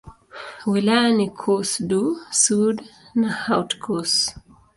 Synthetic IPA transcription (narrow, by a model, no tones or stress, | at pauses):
wilajanikʰɔsdusudnahawtkʰɔs